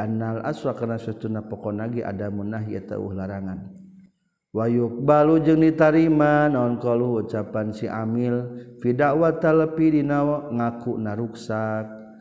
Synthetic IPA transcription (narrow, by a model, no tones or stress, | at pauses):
analʔa̰sakarnasut̪unapɔkɔnaɡiʔa̰damunaɦiɛ̰t̪a̰ṵhlaɾaŋan | wajuk̚balud͡ʒɨŋdit̪aɾimanaɔnkɔluhut͡ʃapansiʔamilfidawat̪aləpidinaɔŋakuʔnaɾuksak̚